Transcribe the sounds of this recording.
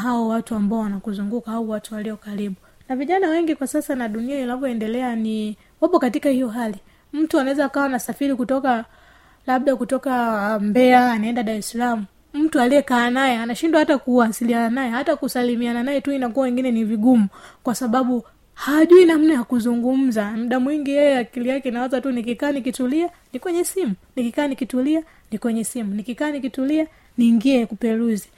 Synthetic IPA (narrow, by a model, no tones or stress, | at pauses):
ɦaɔwatuambaɔwanakuzuŋɡukaauwatuwaliɔkaɾiɓu | naviʄanawɛŋɡikwasasanaɗunianinavjɔɛndɛlɛani | wapɔkatikahijɔɦali | m̩tuanaɛzaːkawanasafiɾikutɔka | laɓ̚ɗakutɔkambɛaːnaɛndaɗaɾɛsalamu | m̩tualijɛkaːnajɛanaʃindwahatakuwasiliananajɛhatakusalimiananajɛtuinakuawɛŋɡinɛniviɡumukwasaɓaɓu | haʄuinam̩najakuzuŋɡum̩zamuɗamwiŋɡijɛjɛakilijakɛinaɔzatunikikaːnikitulia | nikwɛɲɛsimunikikaːnikitulia | nikwɛɲɛsimunikikaːnikitulia | niːŋɡiɛkupɛɾuzi